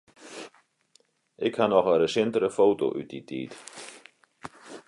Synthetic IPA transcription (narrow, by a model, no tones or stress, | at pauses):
ʔɪkhanɔχəɾəsɪnt̪əɾəfowt̪o̰ʔy̰t̪̚d̪it̪ʰḭːd̪